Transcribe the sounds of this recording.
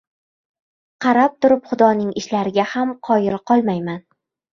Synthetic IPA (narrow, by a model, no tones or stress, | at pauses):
qʰɑɾap̚t̪ʰʊɾɪpχʊd̪ɒnɪŋɪʃlaɾɪɡʲahamqʰɒjɪɾqʰɒlˠmajman